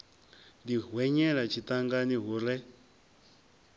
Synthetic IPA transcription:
d̪iɦwɛɲɛɺat͡ʃʰit̪aŋɡaniɦuɾɛ

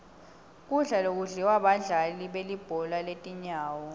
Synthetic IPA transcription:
k̬ʼuɮalok̬ʼuɮiwaɓaɮaliɓelib̥ʱɔlaletʼiɲaːwɔ

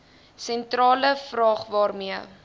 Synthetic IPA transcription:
sɛntrɑːləfrɑːχvɑːrmiə

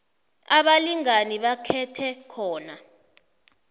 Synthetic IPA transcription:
aɓaliŋaniɓakʰɛtʰɛkʰɔːna

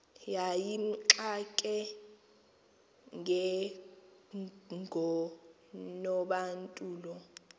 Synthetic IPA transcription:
jajim̩ǁakʼɛ | ŋʱɛ | ŋɡʱɔ | nɔɓantʼuːlɔ

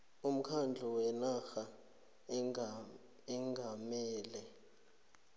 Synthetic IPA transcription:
um̩kʰand͡ɮʱɔwɛnaxa | ɛŋɡʱamɛːlɛ

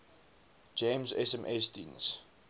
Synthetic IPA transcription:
d͡ʒẽmsɛ̰sɛ̃mʔɛstḭns

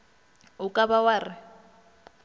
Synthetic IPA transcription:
ʊkʼabawaːrɪ

